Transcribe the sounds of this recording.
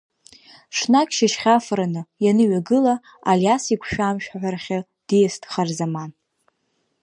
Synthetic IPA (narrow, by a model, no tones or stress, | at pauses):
ʂnakʲʰʼʃɪʃχʲafɾanɨjanɨɥaɡɨla | aljasikʷʰʃᶣamʃᶣħʷᶣarχʲa | d̥ijasdʰχarzaman